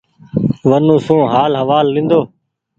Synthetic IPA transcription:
ʋənũːsũːɦaːlɦəʋaːlːɪ̃ːnd̪oː

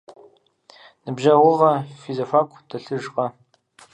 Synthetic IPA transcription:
nɨbʒɐwʊʁɐfizofaːkʷʼʰdʰɐɬɨʒqʼɐ

